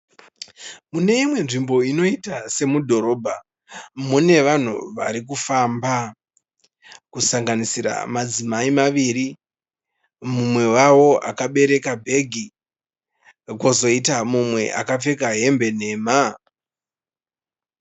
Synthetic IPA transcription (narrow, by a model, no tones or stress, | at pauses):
mune̞imwe̞nʐimbo̞ino̞itase̞mudʱo̞ɾo̞bʱa | mune̞ʋan̤ṵʋaɾikufamba | kusaŋɡanisiɾa̰mad͡zimaimaʋiɾi | mumwe̞wawo̞a̰kaɓe̞ɾe̞kabʱe̞ɡʱi | ko̞zo̞itamumwe̞̰ʔa̰kap͡fe̞kaɦe̞mbe̞n̤e̞ːma